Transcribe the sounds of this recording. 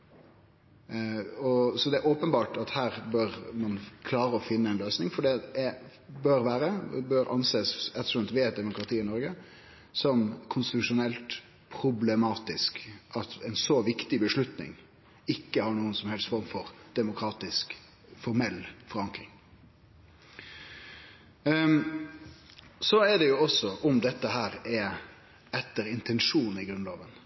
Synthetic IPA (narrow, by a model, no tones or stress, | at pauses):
ɔsɔd̪ɛæɾʔoːpənbɑːʈɑt̪hæːɾbøɾmɑnkʰlɑːɾəɔfɪnːəɛnløːsnɪŋfɔɖɛɛ | bøɾʋæːɾəbøɾʔɑ̰nseːsɛt̪ːɔ̥ʂɑnt̪ʋɛɛt̪̚d̪ɛmʊkɾɑt̪ʰiːɪnɔɾɡə | sɔmkʰʊnst̪ɪt̪ʉʂʊnɛlt̪ | pʰɾʊblɛmɑːt̪ɪskʔɑt̪ɛɪnsɔʋɪkt̪ɪbəʂlʉt̪nɪ̰ŋ | ɪkːəhɑɾɳuːənsɔmhɛlst̪fɔɾmfɔɾd̪̥ɛmʊkʰɾɑːt̪ɪsk | fɔɾmɛlːfɔɾɑŋkɾɪŋ | sɔɛd̪ɛjʊɔsːɔʔʊmd̪ɛt̪ːəɦæːɾɛ | ɛt̪ːəɾɪnt̪ʰɛnʂuːnn̩ɪɡɾʉnloːʋən